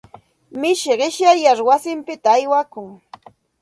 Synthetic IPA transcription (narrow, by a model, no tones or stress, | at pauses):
mɪʃɪɢɪʃjajaɾwasɪmpɪt̪aːjwakʊŋ